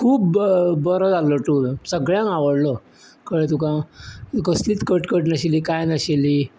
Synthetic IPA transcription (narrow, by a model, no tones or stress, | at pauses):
kʰuːbbəɾɔd͡zalɔʈuɾsəɡɭjãŋaʋəɽlɔ | kəɭet̪ukãkəsliːt̪kəʈkəʈnəɕiliːkajnəɕeli